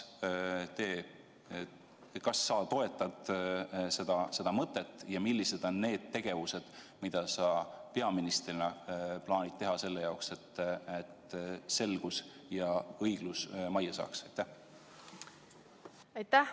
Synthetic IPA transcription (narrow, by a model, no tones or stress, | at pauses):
t̪e̞ː | kɑsːɑːt̪o̞e̞t̪ːˑɑd̪̥se̞d̪̥ɑse̞d̪ɑmɤt̪ːˑe̞t̪ːˑjɑmilːise̞d̪̥o̞nːe̞ːd̪̥̚t̪ːe̞ɡ̥e̞vuse̞d̪̥ | mid̪̥ɑsɑːpe̞ɑminist̪rinɑplɑːnʲit̪̚t̪ːe̞ɦɑse̞lːe̞jɑokse̞t̪ːet̪se̞lɡ̥usjɑɤjɡ̥lusmɑjɑsɑ̰ːksɑjt̪ːæh | ɑjt̪ːæh